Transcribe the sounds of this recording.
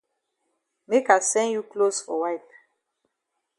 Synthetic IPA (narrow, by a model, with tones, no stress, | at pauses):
me˦ka˨sɛ̃˦nju˦klo˦sfɔ˨wa˦ɪp̚